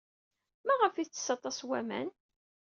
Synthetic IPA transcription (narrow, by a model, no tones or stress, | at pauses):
mæʁəfiθt͡sːə̥sɑt̪ˤːɑswæmæ̰n